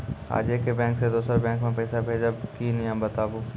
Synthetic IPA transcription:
a̰ːd͡ʒekebɛ̃ːŋksed̪oːsəɾbɛ̃ːŋkmẽpɛːsabʱeːd͡ʒabkinɪjãbət̪aːbuː

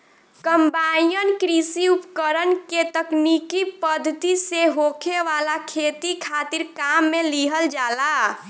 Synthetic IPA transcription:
kəmbanijənkɾisiupkəɾənket̪əknikipəd̪ʱːət̪iseɦokʰeʋalakʰet̪ikʰat̪iɾkamːeliɦəld͡ʒala

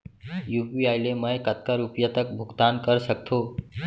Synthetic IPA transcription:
jupiaɪleməjkət̪̚kaɾupjat̪ək̚bʱʊɡt̪ankəɾsəkt̪ʰo

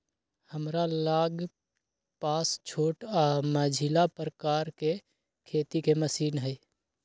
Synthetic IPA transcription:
həmɾalaɡ | past͡ʃʰoʈamad͡ʒʱilapɾəkaɾke | kʰet̪ikeməsiːnɦəɪ

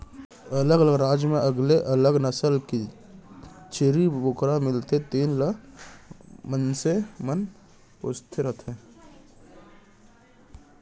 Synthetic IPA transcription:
ələɡələɡɾaːd͡ʒmẽʔəɡleʔələɡnəsəlki | t͡ʃʰeɾibʊkɾamɪlt̪et̪iːnlə | mənsemən | pʊ̰st̪ʰeɾət̪ʰeː

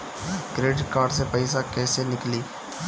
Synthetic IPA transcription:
ɡɾeːɖkaːɾɖsepɐɪsakɛːsenɪkliː

